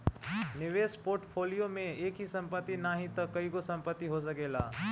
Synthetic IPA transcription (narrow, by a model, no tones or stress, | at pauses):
nɪʋeːspoːɾʈpʰoːlijomẽeːkɦisɐ̃mpət̪ːinaːɦĩt̪ɐkɐikosɐ̃mpət̪ːiɦos̬əkeːla̰ː